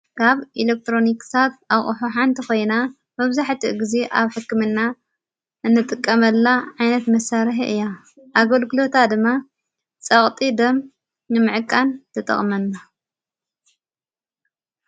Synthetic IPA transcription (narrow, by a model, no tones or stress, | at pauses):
kʰaβʔilek̚t̪ʰɾo̞niksʰat̪̚aʔʼuħuħant̪ʰiko̞jna | mɐβzaħt̪ʰiʔɡize̞ʔaβħɨkːɨmɨnːa | ʔɨnːɨt̪ʼɨkʼːɐmɐlːaʕajnɐt̪mɐsaɾħiʔɨjːa | ʔaɡɐlɡɨlo̞t̪ʰad̪ɨmːa | t͡sʼɐχʼt̪ʼid̪ɐm | nɨmɨʕɨkʼːant̪ʰɐt̪ʼɐ̰χʼmɐnːa